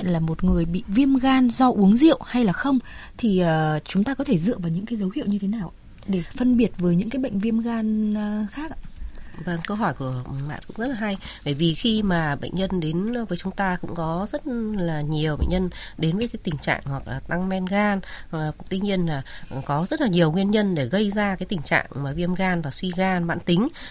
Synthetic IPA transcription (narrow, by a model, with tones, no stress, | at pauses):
ə̰˧˨nlaː˨˩mo˨˩t̚ŋɨ˨˩əjɓḭ˧˨vi˧əmɣaː˧nzɔ˧ʔu˨˦əŋzḭ˧˨əwha˧jlaː˨˩xə˧wŋ͡mt̪ʰi˨˩əː˨˩t͡ɕʊ˨˦ŋ͡mt̪aː˧kɔ˨˦t̪ʰe˧˩zɨ̰˧˨əvaː˨˩wɲɨ̰˧˥ŋkaː˨˦jzə˨˦whḭ˧˨əwɲɨ˧t̪ʰe˨˦naː˨˩wʔa˧˦ | ɗe˧˩fə˧nɓi˨˩ət̚vəː˨˦jɲɨ̰˧˥ŋkaː˨˦jɓə̰˧˨jŋ̟vi˧əmɣaː˧nxaː˦˥k̚ʔa˧və˧ŋkə˧wɦɔ˧˩jku˧˩əma̰ː˧˨nkʊ̰˧˥ŋ͡mzə˦˥t̚laː˨ɦa˧jɓəː˧˩jvi˨˩xi˧maː˨˩ɓə̰˧˨jŋ̟ɲə˧nɗe˨˦nvəː˨˦jt͡ɕʊ˨˦ŋ͡mt̪aː˧kʊ̰˧˥ŋ͡mkɔ˨˦zə˦˥t̚laː˨˩ɲi˨˩əwɓə̰˧˨j̟ɲə˧n | ɗe˨˦nvəː˨˦jkaː˨˦jt̪ï˨˩ŋ̟t͡ɕa̰ː˧˨ŋhwa˨˩k̚laː˨˩t̪a˧ŋmɛ˧nɣaː˧n˨˩t̪wi˧ɲi˧ənlaː˨˩kɔ˨˦zə˦˥t̚laː˨˩ɲi˨˩əwŋwi˧ənɲə˧nɗe˧˩ɣə˧jzaː˧kaː˨˦jt̪ï˨˩ŋ̟t͡ɕa̰ː˧˨ŋmaː˨˩vi˧əmɣaː˧nvaː˨˩swi˧ɣaː˧nɓa̰ː˧˨nt̪ï˨˦ŋ̟